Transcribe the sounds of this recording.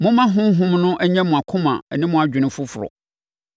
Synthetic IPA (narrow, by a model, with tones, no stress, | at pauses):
mʊ̃˦mã˦ɦʊ̃˦m˦ɦʊ̃˦mnʊ̃˦ʔæ˦ɲɛ̃˦mʊ̃˨a˨kʰʊ̃˦mã̰˨ɛ̰˨nɪ̃˦mʊ̃˨a˨d͡ʑᶣɪ˨nɪ̃˦fʊ˦fʊ˨ɾɔ̰˨